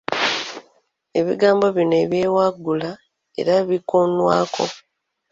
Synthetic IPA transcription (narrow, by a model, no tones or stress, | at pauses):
e̞βḭɡaːmbo̞βinoe̞βje̞ːwaɡːula | e̞̰ɾaβikonwa̰ːkʰo̞